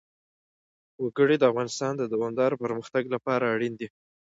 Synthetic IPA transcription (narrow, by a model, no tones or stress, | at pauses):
wəɡəɽid̪əafɣɑnɪst̪ɑnd̪əd̪awɑnd̪ɑɾpəɾməxt̪aɡlapɑɾaːɽind̪i